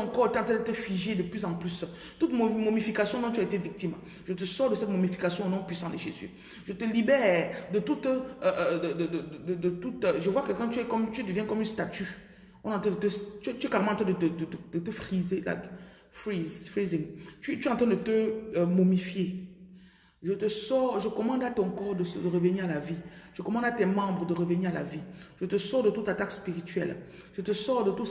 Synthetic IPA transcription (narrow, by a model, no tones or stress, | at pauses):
ɑ̃kɔʁt̪yɛɑ̃t̪ʰɛ̃d̪ət̪əfiʒed̪əplyzɑ̃plys | t̪ut̪momomifikasjɔ̃nɔ̃t̪yaet̪evik̚t̪im | ʒət̪əsɔʁd̪əsɛt̪momifikasjɔ̃nɔ̃pɥisɑ̃neʃezḭ | ʒət̪əlibɛːʁd̪ət̪ut̪ʔəd̪əd̪əd̪d̪əd̪ət̪ut̪ʒəvwakɛkɑ̃t̪yɛkɔmt̪yd̪əvjɛ̃kɔmynst̪at̪y | ɔ̃nɑ̃t̪ɛ̃d̪ət̪əst̪yɛt̪yɛklaʁemɑ̃t̪ʰɛ̃d̪ət̪əd̪əd̪əd̪̥ət̪əfʁizela̰ | fizfʁiziŋt̪t̪yɑ̃t̪ɛ̃d̪ət̪əmomifje | ʒət̪əsɔʁʒəkɔmɑ̃d̪at̪ɔ̃kɔʁd̪əsd̪əʁəvəniʁalaviʒ̥əkɔmɑ̃d̪at̪ɛmɑ̃bʁəd̪əʁəvəniʁala̰viʒ̥ət̪əsɔʁd̪ət̪ut̪at̪akspiʁit̪ɥɛ̰l | ʒ̥ət̪əsɔʁd̪ət̪u